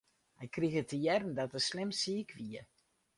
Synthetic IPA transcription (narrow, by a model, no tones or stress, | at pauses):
hɛjkriɣətəjɛrn̩dɔtəslɪmsiːkʰʋiə